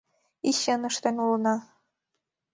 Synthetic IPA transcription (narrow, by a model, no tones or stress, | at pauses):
iɕɘnɤ̆ʂt̪ɤ̆nʲulˠɤnɑ